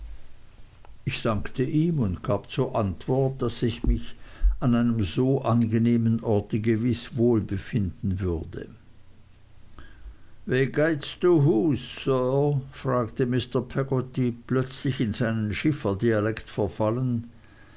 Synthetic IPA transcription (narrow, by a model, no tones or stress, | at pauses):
ʔɪçd̥aŋktʰəʔiːmʊntɡ̥aːb̥t͡suːɐʔantv̥ɔɐt̚d̥asɪçmɪçanaɪnəmzoːʔanɡəneːmənʔɔɐtəɡəvɪsvoːlbəfɪndn̩vʏɐdə̰ | vɛːɡaɪtsd̥uːɦuːsːœːfʁ̥aːktəmɪstɐpʰɛɡotiplœt͡slɪçɪnzaɪnənʃɪfɐdialɛktfɛɐfalən